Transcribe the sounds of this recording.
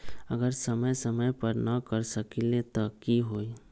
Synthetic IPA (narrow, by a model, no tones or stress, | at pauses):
əɡəɾsəməjsəməjpəɾnakəɾsəkilet̪ɔkiɦoːi